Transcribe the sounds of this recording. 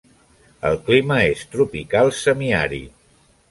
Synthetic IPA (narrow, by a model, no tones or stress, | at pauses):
əlˠkliməest̪ɾupikalˠsəmiaɾḭ